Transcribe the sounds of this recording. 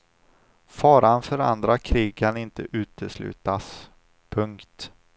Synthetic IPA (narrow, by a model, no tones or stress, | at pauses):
fɑːɾanfœɾa̰nd̪ɾakʰɾiːɡkʰanɪnt̪əʔʉ̟ːt̪ʰəslʉ̟̰ːt̪as | pʰɵŋkt̪